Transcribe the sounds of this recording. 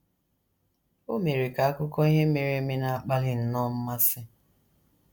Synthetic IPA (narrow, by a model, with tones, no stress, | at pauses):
o˦me˨ɾe˨ka˨a˦kʊ˦kɔ˦i˦ɦe˦me˨ɾe˨˦me˦na˦˨a˨k͡pa˦lɪ˦n̩˦nɔ˦m̩˦ma˦sɪ˦